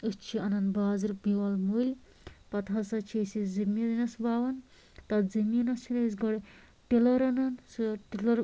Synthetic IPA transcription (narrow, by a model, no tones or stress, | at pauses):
ɨst͡ʃʰiɐnɐnbaːzɨɾbiwɐlmulʲ | pɐt̪ɦɐsɐt͡ʃʰesizimʲːid̪ɐnɐsbaːʋɐn | t̪ɐzɐmʲinɐst͡ʃʰiɾes̬ɡɐɽ | ʈilɐɾɐnɐnsɨʈilɐɾ